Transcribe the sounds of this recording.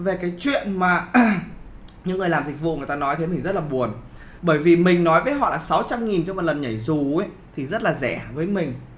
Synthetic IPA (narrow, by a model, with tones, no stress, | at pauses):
ve˨˩kaː˨˦jt͡ɕwḭ˧˨ənmaː˨˩ | ɲɨ̰˧˥ŋːɨ˨˩əjlaː˨˩mzï˨˩k̟̚vṵ˧˨ŋ˨˩t̪aː˧nɔ˨˦jt̪ʰjmï˨˩ŋzə˦˥t̚laː˨˩ɓu˨˩ən | ɓəː˧˩jvi˨˩mï˨˩ŋ̟nɔ˨˦jvəː˨˦jɦɔ̰˧˨la̰ː˨˩sa˨˦wt͡ɕa˧mŋi˨˩nt͡ɕɔ˧ŋ͡mmɔ˨t̚lə˨˩nɲə˧˩jzu˨˩˨ | t̪ʰi˨˩zə˦˥t̚laː˨˩zɛ˧˩vəː˨˦jmï˨˩ŋ̟